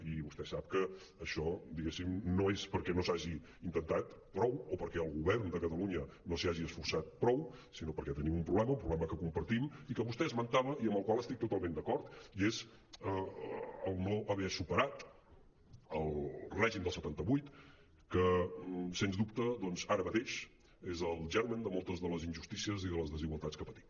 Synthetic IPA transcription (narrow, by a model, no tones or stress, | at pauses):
iβust̪ɛsap̚kəː | ʃɔd̪iɣesimnoespəɾkɛnosaʒi | int̪ənt̪at̪pɾɔwopəɾkɛəlˠɣuβɛɾnd̪əkət̪əluɲənosiaʒiəsfuɾsat̪̚pɾɔwsinopəɾkɛt̪ənimumpɾuβlɛməumpɾuβlɛməkəkumpəɾt̪imikəβust̪ɛəzmənt̪aβəiəmbəlˠkwaləst̪ik̚t̪ut̪alˠmẽnd̪əkɔɾt̪iez | əəlˠnoʔəβɛəsupəɾat̪ | əlˠrɛʒimd̪əlˠsət̪ant̪əβujt̪ | kəsenzðup̚t̪əðɔnzaɾəmət̪eʃ | ezəlˠʒɛɾmənd̪əmɔlˠt̪əzðələzinʲʒust̪isiəziðələzðəziɣwəlˠt̪at͡skəpət̪i̥m